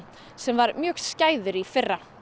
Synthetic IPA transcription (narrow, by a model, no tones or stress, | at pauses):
sɛmvaɾmjœːxscaːjðʏɾifɪrːa